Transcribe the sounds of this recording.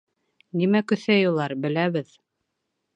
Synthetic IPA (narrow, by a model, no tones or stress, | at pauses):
nimækɵ̆θæjulˠɑɾbɘ̆læβɘð